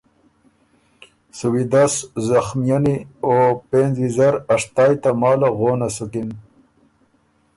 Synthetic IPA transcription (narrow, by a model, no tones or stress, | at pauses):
suwid̪aszaxmijaniopenzizaɾaʂt̪ɑːjt̪amɑːlaɣoːnasukin